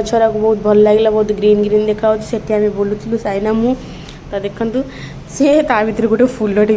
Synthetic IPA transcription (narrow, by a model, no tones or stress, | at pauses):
t͡ʃʰaɾakubɔɦut̪̚bʱɐllaːɡilabɔɦut̪uɡɾiːnɡɾiːnd̪ekʰːaːʋot̪ːu̥seʈːiaːmebolut̪ʰilusajnamu | t̪ad̪ekʰːɐnt̪u | sekaːʋit̪ɾɐkuʈepʰulːoʈi